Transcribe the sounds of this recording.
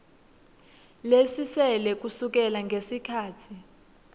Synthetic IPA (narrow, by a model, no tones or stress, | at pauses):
lesisɛlɛk̬usuk̬ɛlaŋɡʱesikʰaːtʰi